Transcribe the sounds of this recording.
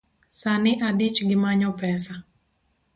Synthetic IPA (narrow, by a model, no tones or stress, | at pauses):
sanɪʔadit͡ʃɡɪmaɲɔpɛsa